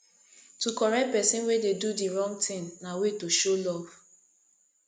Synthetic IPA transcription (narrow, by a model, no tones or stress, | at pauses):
tukɔɾɛk̚pɛsĩnwededudiɹɔ̃ŋɡ̚tʰɪ̃ŋnawetoʃolɔv